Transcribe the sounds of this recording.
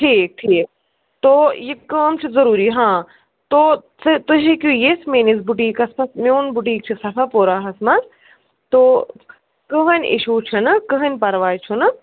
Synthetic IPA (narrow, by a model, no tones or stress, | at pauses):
ʈʰiːk̚ʈʰiːk̚ | t̪ojekɐːmt͡ʃʰuzɐɾuːɾiɦãː | t̪oːst̪ɐd͡ʒikujesmeːnis̬buʈiːkɐspɐsmoːnbuʈ̬iːk̚t͡ʃʰɨsɐfʰapoːɾaːɦɐsmɐs | t̪o | kəɦɐnʲḭʃuːt͡ʃʰunɨkəɦɐnʲpɐɾʋaːit͡ʃʰunɨ